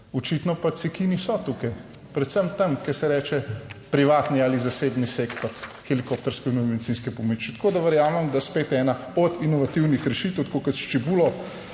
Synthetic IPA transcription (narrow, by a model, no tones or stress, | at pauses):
ɔt͡ʃit̪nɔpasɛkiːnisɔt̪ukaj | pɾɛt̪səmt̪əmkɛɾsɛɾɛːt͡ʃɛpɾiʋaːt̪niaːlizaseːbniseːkt̪ɔɾxɛlikoːp̚t̪ɔɾskɛunmɛd̪it̪sinskɛpomit͡ʃit̪ḁkoːd̪ɐʋəɾjaːmɛmd̪aspeːt̪ɛːna | ɔt̪inɔʋat̪iwnixɾɛʃiːt̪əwt̪ḁkokət̪ʃt͡ʃɛbulɔ